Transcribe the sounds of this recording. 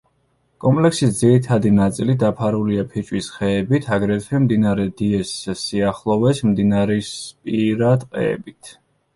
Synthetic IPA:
kʼɔmpʼlɛksisd̪ziɾit̪ʰad̪inat̪sʼilid̪apʰaɾuliapʰit͡ʃʼwisχɛːbit̪ʰaɡɾɛt̪ʰwɛmd̪inaɾɛd̪iɛssiaχlˠɔvɛsmd̪inaɾɛspʼiɾad̪qʼɛ̰ɛ̰bit̪ʰ

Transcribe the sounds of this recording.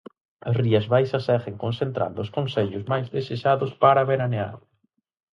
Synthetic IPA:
ɐsriɐzβajsɐsɛɣeŋkonsent̪ɾa̰nd̪ʊʊskonseʎʊsmajzðeseʃaðʊspaɾaβeɾanea̰ɾ

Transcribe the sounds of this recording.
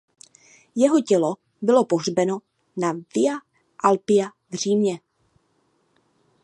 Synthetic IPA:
jɛɦocɛlo | bɪlopoɦr̝bɛno̞ | navɪa | ʔalpɪja | vr̝̥iːmɲɛ

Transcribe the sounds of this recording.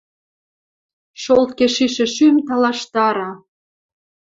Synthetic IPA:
ʃolt̪̚keʃiʃĕʃymt̪ɑlɑʃt̪ɑɾɑ

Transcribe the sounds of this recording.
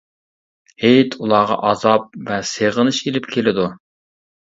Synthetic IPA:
hejt̪ʰulˠɑʁɑ̰ʔɑzɑp̚vɛseʁənɨʃelɪpkʲʰelɪd̪u

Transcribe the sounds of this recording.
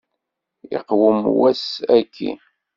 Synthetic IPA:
ɪ̰qwəmwæsækːḭ

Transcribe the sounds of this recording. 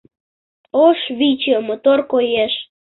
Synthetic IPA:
oʃβit͡ɕəmot̪orkojeʃ

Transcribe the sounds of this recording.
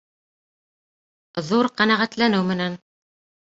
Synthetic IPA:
ðuɾqænæʁæt̪lænɘwmɘ̆næn

